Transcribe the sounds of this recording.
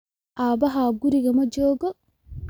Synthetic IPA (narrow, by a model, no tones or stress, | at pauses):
ʔabaɦaɡuɾiɡamɔd͡ʒɔːɡɔ